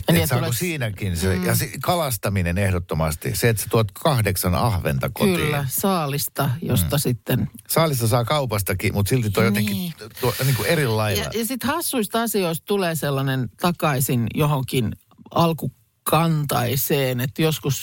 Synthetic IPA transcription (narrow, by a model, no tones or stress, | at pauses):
jɑniːetsɑeosiːnækinsejɑsikɑlɑst̪ɑminenehdot̪ːomɑst̪ḭseet̪se̥t̪uot̪kʰɑhdeksɑnɑ̰hʋḛnt̪ɑkokyt̪ḭlːæsɑːlist̪ɑjo̰st̪ɑsit̪ːensɑːlist̪ɑsɑːkɑupɑst̪ɑkimut̪silt̪it̪uojot̪eŋkːit̪uoniːŋkuerilːɑilɑɑ̰jɑsit̪hɑsːuist̪ɑsioist̪t̪uleːselːɑnent̪ɑkɑisinjohoŋkin | ɑlku | kɑnt̪ɑiseːnet̪ːjoskus